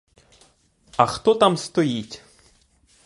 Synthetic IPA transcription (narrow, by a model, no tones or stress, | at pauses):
ɐxt̪ɔt̪amst̪ɔjitʲ